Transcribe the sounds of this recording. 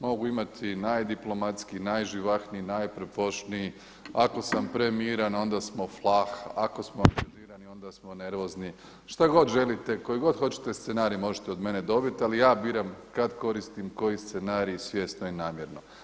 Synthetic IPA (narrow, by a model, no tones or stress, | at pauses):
mo̞ɡuimat̪ʰinajd̪iplˠo̞mat̪skinajʒiʋaxniinajpɾepoʃniji | ako̞sampɾemiːɾano̞nd̪asmo̞flˠaxako̞smoaŋɡaʒiːɾanio̞nd̪asmo̞ne̞ɾʋo̞zni | ʃt̪aɡo̞d̪ʒe̞lit̪e̞ko̞jiɡo̞d̪xo̞t͡ɕi̥t̪e̞st̪senaːɾijimo̞ʒet̪eo̞d̪me̞ned̪o̞bit̪ialijaːbiːɾamkad̪ko̞ɾist̪imko̞jist̪senaːɾiisʋje̞ːst̪noinaːmjeɾno̞